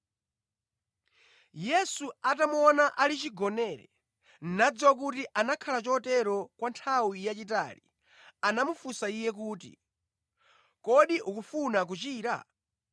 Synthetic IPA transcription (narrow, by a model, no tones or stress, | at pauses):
jɛsuatamuɔnaʔalit͡ʃiɡɔnɛːɾɛ̰ | n̩nad͡zwak̬utiʔanakʰalat͡ʃɔtɛɾɔkwantʰawijat͡ʃit̬a̰ːli | anamufusaijɛk̬uːtḭ | kɔɗiʔukufunak̬ut͡ʃiːɾa̰